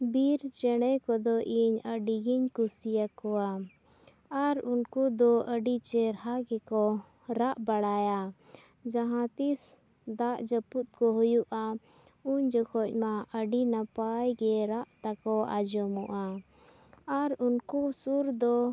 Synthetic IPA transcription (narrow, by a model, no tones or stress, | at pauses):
biɾt͡ʃɛɽ̃ɛjkɔd̪ɔʔiɲəɖiɡiɲkusijakɔwa | aɾunkud̪ɔʔəɖit͡ʃɛɾhaɡɛkɔɾaʔbaɽaja | d͡ʒaɦãt̪isd̪aʔd͡ʒəput̪̚kɔɦujuʔa | uɲd͡ʒɔkʰɔc̚ˀmaʔəɖinapajɡɛɾaʔt̪akɔa̰d͡ʒɔmɔʔa | aɾunkusuɾd̪ɔ